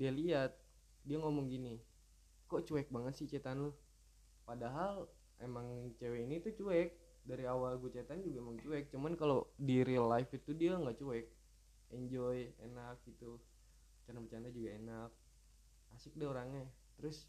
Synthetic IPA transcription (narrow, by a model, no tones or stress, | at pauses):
dialiat̪̚ | diaŋomɔŋɡini | koʔt͡ʃuɛk̚baŋət̪sɪt͡ʃet̪anlʊh | padaɦal | ʔemaŋt͡ʃeweinit̪ut͡ʃuɛk̚ | daɾiawalɡut͡ʃet̪and͡ʒuɡaemaŋt͡ʃuɛk̚t͡ʃumankalodiɾilafit̪udiaŋɡaʔt͡ʃuɛk̚ | ɛɲd͡ʒɔjḛnak̚ɡit̪u | t͡ʃanapət͡ʃanad͡ʒuɡaenak̚ | asɪk̚daoɾaŋɲa | t̪əɾʊs